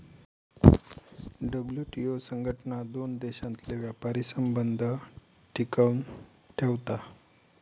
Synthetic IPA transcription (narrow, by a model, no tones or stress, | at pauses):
ɖəbljuʈiosəŋɡʱəʈnad̪ond̪eɕãnt̪leʋjapaɾisəmbənd̪ʱə | ʈʰikəm | ʈʰeʋt̪a